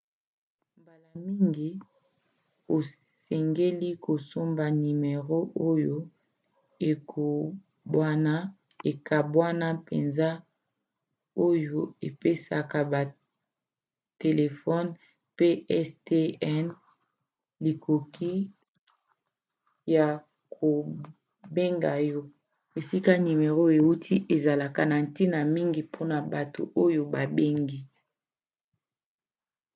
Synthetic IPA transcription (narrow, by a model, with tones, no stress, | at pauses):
mba˨la˨mi˦ŋɡi˦ | o˨sɛ˨ŋɡe˦li˦ko˨so˦mba˨ni˨me˨ʁo˦ʔo˦jo˦ | e˨kʰo˨ | bwa˦na˦ | e˨ka˨bwa˦na˦pḛ˨nza˦ | o˦jo˦e˨pe˦sa̰˨ka˨ba˨ | te˨le˨fɔ˦n | pe˦ɛ˦ste˦ɛ˦n | li˨kʰo˨ki˦ | ja˨ | kʰo˨ | be˦ŋɡa˨jɔ˦ | e˨si˦ka˦ni˨me˨ʁo˦e˨wu˦tʰi˦ʔe˨za˨la˨ka˨na˨n̩˨ti˦na˨mi˦ŋɡi˨pʰo˦na˨ba˨to̰˨ʔo˦jo˨ba˨be˦ŋɡi˦